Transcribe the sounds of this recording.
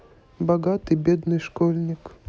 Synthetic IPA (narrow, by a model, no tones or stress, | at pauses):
bɐɡat̪ɨbʲed̪nɨjʂkolʲnʲɪk